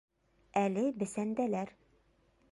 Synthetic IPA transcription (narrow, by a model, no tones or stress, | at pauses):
ælɘbɘ̆sænd̪ælæɾ